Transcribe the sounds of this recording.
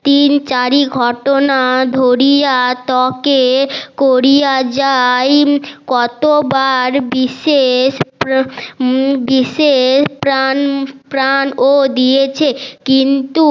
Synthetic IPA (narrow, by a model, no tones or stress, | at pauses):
t̪int͡ɕaɾiɡʱɔʈonad̪ʱoɾijat̪ɔkekoɾijad͡ʑajkɔt̪obaɾbiʃeʃp | biʃeʃpɾanpɾanod̪ijet͡ɕʰekint̪u